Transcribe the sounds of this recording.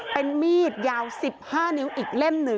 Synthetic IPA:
pe˧nmiː˥˩t̪̚jaː˧wsi˨˩p̚haː˥˩ni˦˥wʔiː˨˩k̚le˥˩mnɯ˨˩

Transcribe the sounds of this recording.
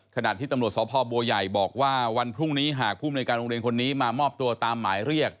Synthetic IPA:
kʰa˧na̰˨˩t̪ʰiː˥˩t̪a˧mɾt̪̚sɔː˩˦˥pʰɔː˧bu˧əja˨˩jbɔː˨˩k̚waː˥˩wa˧npʰɾu˥˩ŋniː˦˥ɦaː˨˩k̚ʰuː˥˩mi˧nː˧jkaː˧nɾo˧ŋɾi˧ənkʰo˧nːiː˦˥maː˧mɔː˥˩p̚t̪u˧ɐt̪aː˧mːaː˩˦jɾi˥˩ək̚

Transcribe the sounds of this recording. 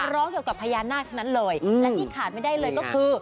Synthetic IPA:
ɾɔː˦˥ŋki˨˩əwka˨˩pʰːaː˧jaː˧nːaː˥˩t̪̚ʰa˥˩wna˦˥nlɤː˧jɯː˧lɛ˦˥w̪ʰiː˥˩kʰaː˨˩t̪̚ma˥˩jda˥˩jlɤː˧jkɔː˥˩kʰɯː˧

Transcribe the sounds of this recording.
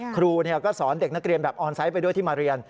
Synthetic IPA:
kʰɾuː˧ni˥˩ɐkɔː˥˩sɔː˩˦nde˨˩k̚na˦˥k̚ɾi˧ənbɛː˨˩p̚ʔɔː˧nsa˦˥jp̬a˧jdu˥˩jt̪iː˥˩maː˧ɾi˧ən

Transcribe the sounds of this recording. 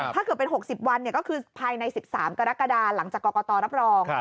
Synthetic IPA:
aː˥˩kɯ˨˩pe˧nɦo˨˩k̚si˨˩p̚wa˧nːi˥˩ɐkɔː˥˩kʰɯː˧pʰaː˧jna˧jsi˨˩p̚saː˩˦mka˧ɾa˦˥kːa˧daː˧la˩˦ŋt͡ɕaː˨˩kːɔː˧kɔ˧t̪ɔː˧ɾa˦˥p̚ɾɔː˧ŋ

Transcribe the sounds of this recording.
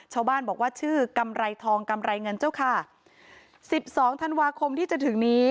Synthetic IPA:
t͡ɕʰaː˥˩wbaː˥˩nbɔː˨˩k̚waː˥˩t͡ɕʰɯː˥˩ka˧mɾa˧jt̪ʰɔː˧ŋka˧mɾa˧jŋɤ˧nt͡ɕa˥˩wkʰa˥˩ | si˨˩p̚sɔː˩˦ŋt̪ʰa˧nwaː˧kʰo˧mt̪ʰiː˥˩t͡ɕa˨˩t̪ʰɯ˩˦ŋniː˦˥

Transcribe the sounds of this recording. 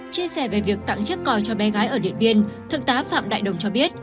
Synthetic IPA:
t͡ɕi˧əsɛ˧˩ve˨˩vi˨˩ək̚t̪a̰˧˨ŋt͡ɕɨ˦˥kːɔ˨˩jt͡ɕɔ˧ɓɛ˨˦ɣaː˨˦jʔəː˧˩ɗḭ˧˨ənɓi˧ənt̪ʰɨ˨˧˩k̚t̪aː˨˦fa̰ː˧˨mɗa̰ː˧˨jɗə˨˩wŋ͡mt͡ɕɔ˧ɓi˦˥ət̚

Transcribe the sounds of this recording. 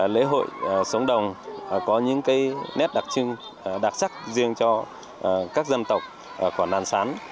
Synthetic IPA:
lḛ˧˥ɦo̰˧˨jsə˨˦ŋ͡mɗə˨˩wŋ͡mkɔ˨˦ɲɨ̰˧˥ŋkaː˨˦jnɛ˦˥p̚ɗa˨˩k̚t͡ɕɨ˧ŋ˩ | ɗa˨˩t̚sa˦˥k̚zi˧əŋt͡ɕɔ˧˨˩ | kaː˦˥k̚zə˧nt̪ə˨˩wk͡p̚ | ku˧˩ənaː˧nsaː˨˦n

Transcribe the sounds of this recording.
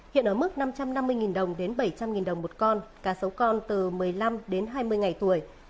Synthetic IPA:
hḭ˧˨ənʔəː˧˩mɨ˦˥k̚na˧mt͡ɕa˧mna˧mːɨ˧əjŋi˨˩nɗə˨˩wŋ͡mɗe˨˦nɓə˧˩jt͡ɕa˧mŋi˨˩nɗə˨˩wŋ͡mmo˨˩t̚kɔ˧nkaː˧˩sə˨˦wkɔ˧nt̪ɨ˨˩mɨ˨˩əjla˧mɗe˨˦nɦaː˧jmɨ˧əjŋa˨˩jt̪u˧˩əj

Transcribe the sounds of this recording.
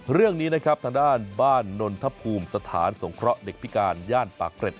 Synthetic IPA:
ɾɯ˥˩əŋniː˦˥na˦˥kʰɾa˦˥p̚t̪ʰaː˧ŋdaː˥˩nbaː˥˩nːo˧nt̪ʰa˦˥pʰuː˧msa˧t̪ʰa̰ː˩˦nso˩˦ŋkʰɾɔ˦˥ʔde˨˩k̚pʰi˦˥kaː˧njaː˥˩npaː˨˩kɾe˨˩t̪̚

